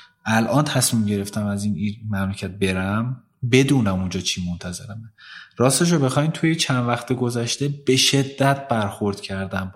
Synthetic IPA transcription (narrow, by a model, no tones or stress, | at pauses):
ʔælʔɒːnt̪ʰæsmiːmɟe̞ɾe̞ft̪æmæziːnimæmlecʰæt̪̚be̞ɾæm | be̞d̪uːnæmund͡ʒɒːt͡ʃʰiːmont̪ʰæze̞ɾæmeɾɒːst̪eʃ̬obe̞xɒːjmt̪ʰujet͡ʃʰænvæxt̪ʰeɡo̞zæʃt̪e̞b̥e̞ʃe̞d̪ːæt̪̚b̥æɾxoɾd̪̥cʰæɾd̪æm